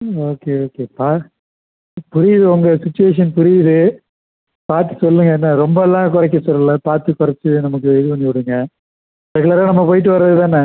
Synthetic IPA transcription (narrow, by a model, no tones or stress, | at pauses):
oːkeoːkepaː | pʊɾɪjɪðɯɔŋɡɐsɪt͡ʃːʊʋeːʂ̬ɐnpʊɾɪjðɯ | paːɾt̪ːɯ̥sɔlːɯŋɡɐɛnːɐɾɔmbɐɛlːãːkʊɾɐk̬ːɐsɔlːɐlɐpaːɾt̪ɯkʊɾɐt͡ʃːɯnɐmɐk̬ːɯɪðɯpɐnːiʋɪɽɯŋɡɐ | ɾɛɣɯɭaːɾaːnɐmːɐpoːjɪʈ̬ːɯʋɐɾɾɐðɯt̪aːnːɐ